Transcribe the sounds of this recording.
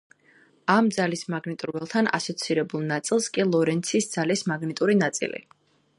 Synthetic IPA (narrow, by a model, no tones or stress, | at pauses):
amd̪zalismaɡnit̪ʼuɾvɛlˠt̪ʰana̰sɔt̪sʰiɾɛbulˠnat̪sʼilˠskʼilˠɔɾɛnt̪sʰisd̪z̥alismaɡnit̪ʼuɾinat̪sʼḭlḭ